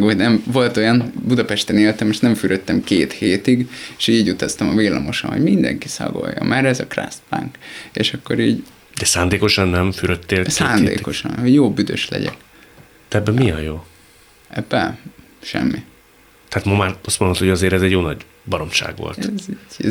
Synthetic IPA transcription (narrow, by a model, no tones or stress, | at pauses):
ɡonɛmvo̞lt̪o̞jɒnbud̪ɒpɛʃt̪ɛneːlt̪ɛmeːʃnɛɱfyɾʔøt̪ːɛmkeːt̪heːt̪iɡeʃiːɟut̪ɒst̪ɒmɒveːlːɒmo̞ʃo̰nɦo̰ɟmind̪ɛ̰ŋkisɒ̰ɡo̰jːɒ̰mʔɛɾɛzɒkra̰st̪pa̰ŋkeːʃɒkːo̞ɾiːɟ | d̪ɛsaːnd̪eːko̞ʃɒnːɛɱfyɾøt̪ːeːlsaːnd̪ḛːkko̞ʃɒ̰nhoɟjoːbyd̪ø̰ʃlɛ̰ɟɛ̰k | d̪̥ɛɛbːɛmiɛjjoː | ɛbːɛ | ʃɛ̰mːi | t̪ɛat̪momaːɾɒst̪monot̪hoɟɒzeːɾɛzɛɟjoːnɒɟ | bɒɾo̞mʃa̰ːɡʋo̰lt̪